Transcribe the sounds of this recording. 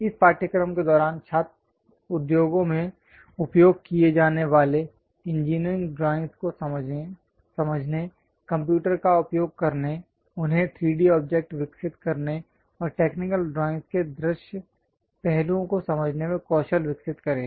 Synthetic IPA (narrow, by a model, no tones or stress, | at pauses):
ɪspaːɾʈjəkɾəmked̪ɔːɾaːnt͡ʃʰaːt̪ | ʊd̪joːɡõmẽ | ʊpjoːɡ̚kijed͡ʒaːneʋaːle | ɪ̃nd͡ʒiːnɾɪ̃ŋɡɖɾaːɪ̃ŋsko | sɐməd͡ʒʱne | kɐ̃mp̬juːʈəɾkaʊpjoːɡ̚kɐɾne | ʊnɦẽt̪ʰɾiːɖiɔːp̚d͡ʒek̚ʈʋɪksɪt̪kɐɾne | ɔːɾʈeːknɪkəlɖɾaːɪ̃nsked̪ɾɪʃjə | pɛɦlõkosɐməd͡ʒʱnemẽkɔːʃəlʋɪksɪt̪kɐɾẽː